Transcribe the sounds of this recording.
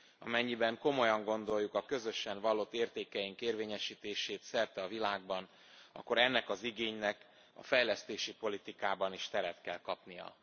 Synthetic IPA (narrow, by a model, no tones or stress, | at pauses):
ɒ̰mɛɲːibɛŋko̞mo̞jɒŋɡo̞nd̪o̞jːukɒkø̞zø̞ʃɛɱvɒlːot̪ːeːrt̪eːkɛjiŋkeːrveːɲɛʃiːt̪eːʃeːt̪sɛrt̪ɛɒvilaːɡ̚bɒn | ɒ̰kːo̞ɾɛnːɛkɒziɡeːɲnɛk | ɒ̰fɛjlɛst̪eːʃipo̞lit̪ikaːbɒniʃt̪ɛɾɛt̪kɛlkɒpnijɒ̰